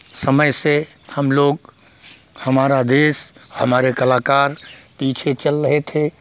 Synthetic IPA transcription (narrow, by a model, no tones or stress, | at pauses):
səməjse | həmloːɡ̚ | həmaːɾad̪eːsɦəmaːɾekəlaːkaːɾpiːt͡ʃʰet͡ʃəlɾəɦet̪ʰe